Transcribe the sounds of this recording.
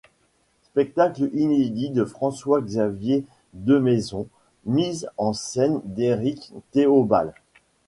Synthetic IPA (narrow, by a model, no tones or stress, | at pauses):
spɛk̚t̪aklined̪id̪əfχɑ̃swaɡzavje | d̪əmezɔ̃ | mizɑ̃sɛnd̪eʁikt̪eoba̰l